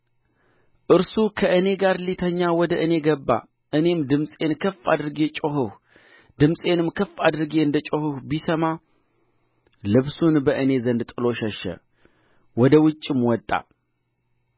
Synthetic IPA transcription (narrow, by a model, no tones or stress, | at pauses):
ʔɨɾsukʰəʔɨne̞ɡaɾlit̪ʰəɲːawɔd̪əʔɨne̞ɡəbːa̰ | ʔɨne̞md̪ɨmsʼe̞nkʰəfːa̰d̪ɨɾɨɡe̞t͡ʃʼoɦɨh | d̪ɨmsʼe̞nɨmkʰəfad̪ɨɾɡeɨnd̪ət͡ʃʼohɨhbisəma | lɨβsunbəʔɨne̞zənd̪t̪ʼɨlo̞ʃɛʃɛ̰ | wɔd̪əwɨt͡ʃʼːɪmwɔt̪ʼːa̰